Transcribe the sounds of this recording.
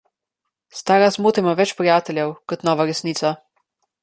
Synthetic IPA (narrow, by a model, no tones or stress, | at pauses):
st̪aːɾasmuːt̪imaʋɛt͡ʃpɾijaːt̪ɛljɛwkɔt̪nɔːʋaɾɛsniːt̪sa